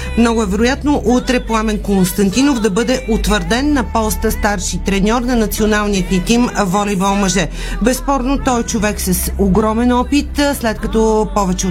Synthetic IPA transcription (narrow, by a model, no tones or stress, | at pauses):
mnɔɡʊɛvɛɾʊjat̪noʔut̪ɾɛplˠamɛnkonst̪ɐnt̪inofd̪ɐbɤd̪ɛʔot̪vəɾd̪ɛnːɐpɔst̪əst̪aɾʃit̪ɾɛnʲɔɾnɐnɐt̪sionalˠnijət̪nit̪imvɔlivɐlmɐʒɛ | bɛspɔɾnot̪ɔjt͡ʃʊvɛksɐsoɡɾɔmɛnɔpit̪slɛt̪kɐt̪ɔpɔvɛt͡ʃɛ